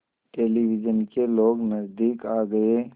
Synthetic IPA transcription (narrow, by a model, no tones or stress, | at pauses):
ʈeːlibɪd͡ʒənkeloːɡnəzd̪iːkaːɡəe